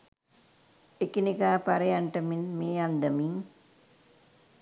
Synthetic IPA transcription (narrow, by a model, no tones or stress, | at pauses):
ekinikaːpaɾɐjaɳʈəminmeːand̪ɐmiŋ